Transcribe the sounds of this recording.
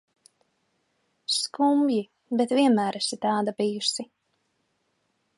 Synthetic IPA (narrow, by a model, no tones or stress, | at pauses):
skumji | bɛt̪viɛnmæːɾɛsit̪ɑːd̪abijusi